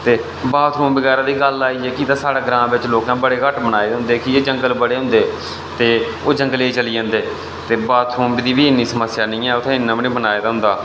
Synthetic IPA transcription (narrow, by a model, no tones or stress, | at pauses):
t̪eː | baːt̪ʰɾũːmbəɡɛːɾãːd̪iːɡəlaːiːɛːkit̪aːsaːɽaːɡɾãːbɪt͡ʃloːkãːbəɽeːkəʈbənaːeːd̪eɦʊ̃nd̪eːkieːd͡ʒəŋɡəlbəɽeːɦʊ̃nd̪eː | t̪eː | oːd͡ʒəŋɡəleːt͡ʃəliːd͡ʒãːnd̪eː | t̪eːbaːt̪ʰɾuːmbid̪iːbiːɪnːiːsəməsjaːnĩːɛːʊt̪ʰẽːɪnːãːbnĩːbənaːeːd̪aːɦʊ̃nd̪aː